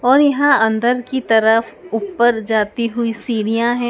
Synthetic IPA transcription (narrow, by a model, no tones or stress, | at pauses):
ɔːɾjɐɦãɐ̃nd̪əɾkit̪ɐɾəfupːəɾd͡ʒaːt̪iɦʊisiːɽijãɦɛ̃ː